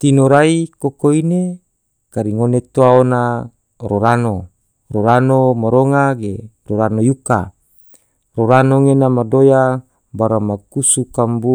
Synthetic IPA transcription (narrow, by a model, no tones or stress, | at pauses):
t̪inoɾaikokoine | kaɾiŋonet̪oaona | ɾoɾano | ɾoɾanomaɾoŋaɡeɾoɾanojuka̰ | ɾoɾanoŋenamadoja | baɾamakusukambu